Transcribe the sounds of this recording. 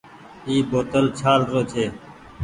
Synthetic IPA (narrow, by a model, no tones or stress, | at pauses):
iːboːt̪əlt͡ʃʰaːlɾoːt͡ʃʰeː